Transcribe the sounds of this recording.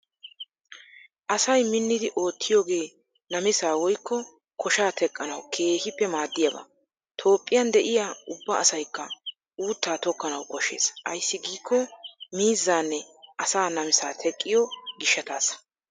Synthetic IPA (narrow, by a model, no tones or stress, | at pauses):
ʔɐsɐjmɪnːɪd̪ɪʔo̞ːt̪ːɪjo̞ːɡe̞ː | nɐmɪsaːwɔjkːɔ | kɔʃaːt̪ʰɛkʼːɐnɐwkʰe̞ːhɪpːɛmaːd̪ːɪjɐba̰ː | t̪ʰo̞ːpʼːɪjɐnd̪ɛʔɪjaːʊbːɐɐsɐjkːɐ | uːt̪ːaːt̪ɔkːɐnɐwkɔʃe̞̰ːsʔɐ̰jsːɪɡiːkːɔmiːzːaːnːɛʔɐsaːnɐmɪsaːt̪ʰɛkʼːɪjɔɡɪʃːɐt̪aːs